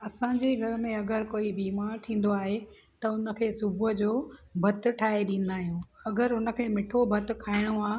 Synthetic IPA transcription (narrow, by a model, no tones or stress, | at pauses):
ɐsãːd͡ʑeɡʱɐɾəmẽɐɡəɾkoːibiːmaːɾt̪ʰĩːn̆d̪oaːɦe | t̪ɐʊnə̆kʰeːsʊbəd͡ʑoːbʱɐt̪̆ʈʰaːɦeɗĩːn̆d̪aːɦijũːɐɡəɾʊnə̆kʰeːmɪʈʰobʱɐt̪̆kʰaːɪɽ̃oaː